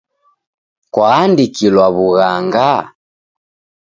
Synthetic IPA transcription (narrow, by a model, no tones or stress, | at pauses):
kwaːndikilwaβuɣaŋɡa